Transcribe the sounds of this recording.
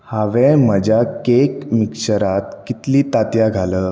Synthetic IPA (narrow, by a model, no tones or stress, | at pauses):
haʋɛ̃m̤əd͡ʑʱjakekmikɕəɾat̪kit̪liːt̪at̪jaɡʱaləː